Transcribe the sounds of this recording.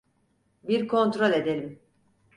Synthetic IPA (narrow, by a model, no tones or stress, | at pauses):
biɾkʰo̞nt̪ɾo̞lʲe̞d̪elʲim